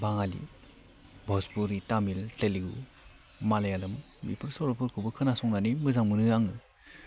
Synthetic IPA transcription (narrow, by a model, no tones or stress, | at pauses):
baŋalḭ | bʱɔspuɾitamilteliɡu | malejalɯm | mipʰɯɾsɔɾɔpʰɯɾkʰubɯkʰɯnasɔŋnanimɯzaŋmɯnɯaŋɯ